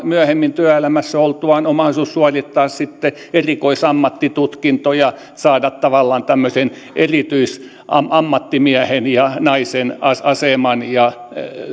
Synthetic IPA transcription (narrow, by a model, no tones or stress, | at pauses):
myæhemːint̪yæelæmæsːæolt̪uɑnomɑhlisussuɑrʲit̪ːɑːssit̪ːe | erikoisɑmːɑt̪ːit̪ut̪kint̪ojɑ | sɑːdɑt̪t̪ɑʋɑlːɑːnt̪æmːøsen | ʔerit̪yis | ɑmɑmːɑt̪ːimiæhenjɑnɑisenɑɑsemɑnjɑ